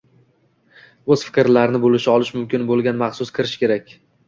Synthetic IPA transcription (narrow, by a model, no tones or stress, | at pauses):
ɵz̥fɪ̥kʲɪɾlaɾɪnɪbolɪʃɪɒlɪʃmʊmkʲɪnbolˠɡʲanmɑχsʊskʰʲɪɾɪʃkʲʰe̞ɾakʲ